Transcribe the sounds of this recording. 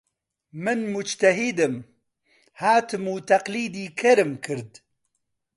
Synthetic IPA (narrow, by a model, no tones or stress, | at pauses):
mɨnmʊd͡ʒt̪ɐɦid̪ɨm | haːt̪ʰɨmuːt̪ɐqliːd̪iːkʰɐɾɨmkʰɨɾd̪